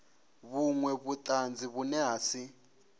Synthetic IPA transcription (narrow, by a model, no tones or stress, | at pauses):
βuŋwɛβut̪ʼand͡ziβunɛɦaːsi